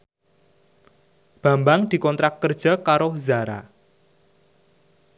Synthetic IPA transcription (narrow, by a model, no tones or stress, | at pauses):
b̥a̤mbaŋd̪̥i̤kɔnt̪ɾakːərd̥ʒ̥a̤kaɾozaɾa̰